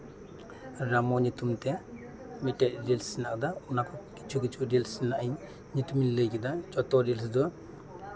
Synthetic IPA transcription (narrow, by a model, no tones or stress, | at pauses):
ɾamɔɲit̪umt̪ɛ | miʈɛtɾilsinak̚d̪aunakʰɔki̥t͡ʃʰukit͡ʃʰudilsinaʔiɲ | ɲit̪uminləkid̪at͡ʃɔt̪ɔɾilsd̪ɔ